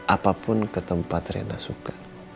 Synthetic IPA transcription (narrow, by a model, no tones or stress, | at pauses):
ʔapapʊnkət̪əmpat̪rḛnasukḁ